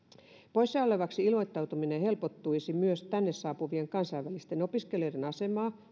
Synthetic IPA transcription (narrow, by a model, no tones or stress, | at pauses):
pojsːɑːoleʋɑksiilmo̞jt̪ːɑwt̪uminehe̞lpot̪ːujsimyøst̪ænːessɑːpuʋieŋkɑnsɑjʋælist̪eno̞piske̞liojde̞nɑse̞mɑː